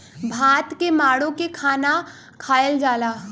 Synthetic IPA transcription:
bʱaːt̪kemaːɽõkekʰaːna | kʰaːəld͡ʒaːlaː

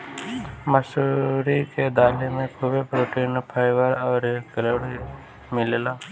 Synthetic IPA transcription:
məsuɾiked̪aːlemẽkʰubepɾoːʈiːnpʰaːɪʋəɾɔːɾkəloːɽi | mɪlelaː

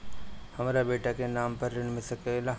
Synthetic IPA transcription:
hɐmaːɾabeːʈakenaːmpɐɾːɪnmɪsɐkela

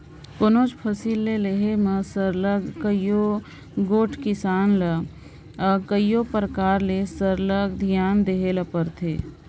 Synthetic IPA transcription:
konoːt͡ʃpʰəsiːlːeleɦemə̃səɾləɡkəjo | ɡoːʈʰkɪsaːnlə | kəjopəɾəkaːɾlesəɾləɡd̪ʱijaːnd̪eɦeləpəɾt̪ʰḛː

